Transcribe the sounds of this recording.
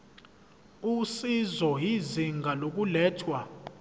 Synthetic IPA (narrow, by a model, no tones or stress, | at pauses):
usizɔɦiziŋɡʱalok̬ulɛːtʰwa